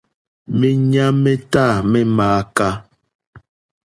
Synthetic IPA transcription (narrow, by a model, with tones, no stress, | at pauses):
mɛ˦ɲa˦mɛ˦ta˦˨mɛ˦maː˨˦ka˦